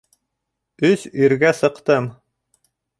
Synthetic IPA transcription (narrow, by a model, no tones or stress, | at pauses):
ɵsiɾɡæsɤ̆qt̪ɤm